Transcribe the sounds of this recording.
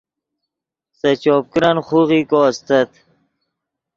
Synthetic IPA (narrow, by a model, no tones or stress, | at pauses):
sɐt͡ɕoːp̚kɾanχuɣikoːst̪ət̪